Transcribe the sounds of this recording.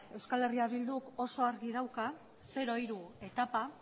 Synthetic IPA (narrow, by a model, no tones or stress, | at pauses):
e̞wskale̞riaβild̪uko̞so̞aɾɣiðawka | se̞ɾo̞iɾue̞t̪apa